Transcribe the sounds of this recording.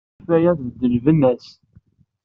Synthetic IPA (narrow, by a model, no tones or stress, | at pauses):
fæjæθvəd̪ːəlvənːæs